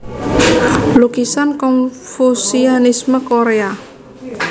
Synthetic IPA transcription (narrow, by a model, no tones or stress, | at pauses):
lukisankɔnfusianisməkoɾea